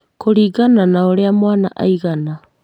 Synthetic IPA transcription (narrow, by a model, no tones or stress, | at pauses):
kʰoɾiɡananaoɾeamoana̰ʔa̰jɡana